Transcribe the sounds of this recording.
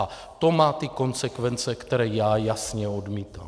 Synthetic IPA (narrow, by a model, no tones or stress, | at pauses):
a | t̪o̞maːt̪ɪko̞nzɛkvɛnt͡sɛkt̪ɛɾɛːjaːjasɲɛo̞dmiːt̪a̰ːm